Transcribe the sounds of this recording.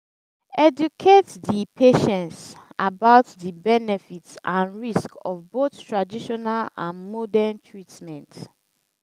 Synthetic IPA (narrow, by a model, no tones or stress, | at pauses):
ɛdukʰetdipʰeʃɛ̃ntsabaʊtdibɛnɛfitsãnɹiskɔvboθtɹadiʃɔnalã̰nmɔdɛntʰɹitmɛ̃nt